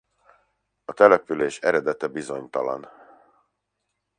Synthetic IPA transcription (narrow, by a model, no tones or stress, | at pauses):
ɒt̪ɛlɛpyleːʃɛɾɛd̪ɛt̪ɛbizo̞ɲt̪ɒlɒ̰n